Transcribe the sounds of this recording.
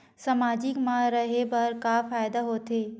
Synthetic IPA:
sɐmaːd͡ʒɪkmãɾɐɦebɐɾkafaːjd̪aɦoːt̪eː

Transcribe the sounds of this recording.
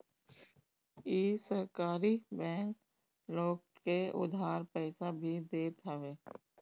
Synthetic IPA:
jeːsəɦkaːɾibɛ̃ːŋk | loːɡ̚keʊ̰d̪ʱaːɾpɛːsabʱid̪eːt̪aʋeː

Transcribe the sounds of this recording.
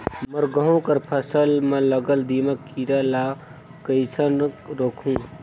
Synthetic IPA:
məɾɡəɦõkəɾpʰəsəlmɐ̃ləɡəld̪iːməkiɾalaː | kəjsʰənɾoːkʰũː

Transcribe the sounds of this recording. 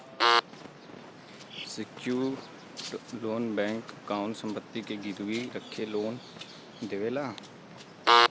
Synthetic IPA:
sɪkuː | loːnbɛ̃ːŋkːaːʊnsə̃mpət̪ːikʰeːɡɪɾʋiəkʰeloːn | d̪eʋelaː

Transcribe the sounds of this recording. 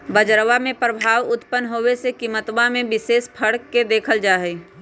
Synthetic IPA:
bəd͡ʒɾʋamẽpɾəbʱaːʋʊt̪pənɦoʋesekiːmət̪ʋãmẽbɪseːspʰəɽkːed̪eːkʰəld͡ʒaːɦɛ

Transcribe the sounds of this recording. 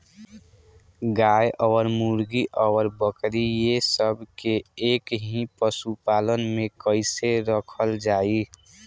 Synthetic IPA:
ɡajʔɔɾmuɾɡiʔəwəɾbəkɾijesəbkeeːkɦĩpəsupaːlənmẽkəɪseɾəkʰəld͡ʒaːi

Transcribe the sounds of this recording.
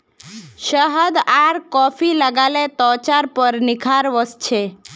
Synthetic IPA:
ʃəɦəd̪aɾkɔːpʰiləɡalet̪ɔːt͡ʃaɾpəɾnɪkʰaɾʋəst͡ʃʰe

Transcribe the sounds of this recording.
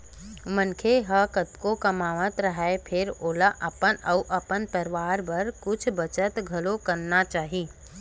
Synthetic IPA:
mənkʰeɦəkət̪kokɐmaːʋət̪ɾəɦaepʰɪɾoːlaʔɐpənəuʔɐpənpəɾɪʋaːɾbɐɾkʊt͡ʃʰbət͡ʃət̪ɡʱɐlokɐɾnat͡ʃaːɦiː

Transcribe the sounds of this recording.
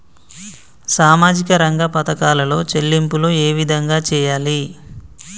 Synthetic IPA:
saːmaːd͡ʒikɐɾɐŋɡɐpɐt̪ɐkaːlɐlo̞ːt͡ʃelːimpuloːe̞ːʋid̪ʱɐŋɡaːt͡ʃɛːjaːli

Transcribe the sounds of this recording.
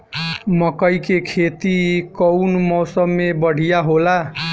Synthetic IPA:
mʌkʌjkekʰet̪ikʌwnmɔwsʌmːebʌɽ̤ʱijaɦola

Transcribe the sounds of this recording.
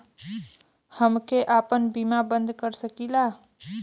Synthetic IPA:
həmkeʔapənbimabənd̪ʱkəɾsəkila

